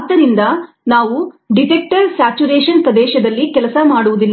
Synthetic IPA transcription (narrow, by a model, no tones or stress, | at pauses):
d̪ːɐɾind̪ɐ | naːʋuɖiʈek̚ʈɐɾsaːt͡ʃuɾeːʃɐnpɾɐd̪ɛːʃɐd̪ɐlːikɛlɐsɐmaːɽuʋud̪ilː